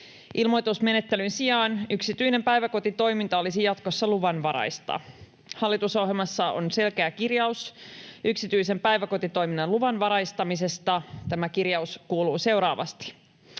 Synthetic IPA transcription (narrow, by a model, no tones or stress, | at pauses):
ʔilmo̞jt̪usme̞net̪ːelynsiɑːnyksit̪yine̞mpæjʋæko̞t̪it̪o̞jmint̪ɑo̞lisijɑt̪ko̞sːɑluʋɑnʋɑɾɑ̰jst̪ɑ̰ | hɑlːit̪usoɦjelmɑsːɑo̰nse̞lkeækirjɑusʔyksit̪yjse̞mpæjʋæko̞t̪it̪o̞jminːɑnluʋɑnʋɑɾɑjst̪ɑmise̞st̪ɑt̪æmækirjɑuskuːluːse̞wɾɑːʋɑ̰st̪i̥